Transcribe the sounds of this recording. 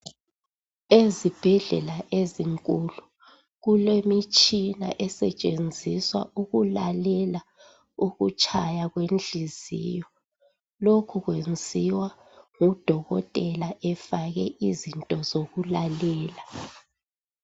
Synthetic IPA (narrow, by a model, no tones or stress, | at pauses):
ezib̥ʱɛɮɛlaʔeziŋkʼulu | ɣulemit͡ʃʼinaʔɛsɛt͡ʃʼend͡zʱiswa̰ʔuɣulalɛla | uɣut͡ʃʼʰajaɣwend͡ɮʱizḭːjɔ | lokʰuɣwend͡zʱiwa | ŋud̥ʱɔɣɔ̰tʼɛlaʔɛfaɣɛʔizintʼɔzoɣulalɛːla